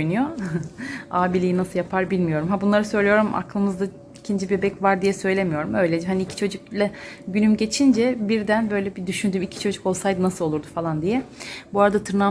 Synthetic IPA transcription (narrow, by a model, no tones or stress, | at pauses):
jnujo | aːbilʲijinasɯljapʰaɾbilʲmijo̞ɾumɦabunlˠaɾɯsø̞jlʲijo̞ɾumʔa̰klˠɯmɯzd̪a | icʰind͡ʒibebɛcvaɾd̪ijɛsø̞jlʲe̞mijo̞ɾumø̞jlʲed͡ʒɛɦaniːcʰi̥t͡ʃʰo̞d͡ʒuklʲˠɛɟynymɟe̞t͡ʃʰind͡ʒɛbiɾd̪ænbø̞jlʲɛbid̪yʃynd̪ymicʰi̥t͡ʃʰo̞d͡ʒuko̞lˠsajd̪ɯnasɯlˠo̞lˠuɾd̪ufalˠand̪ijɛbuaɾad̪at̪ʰɯɾna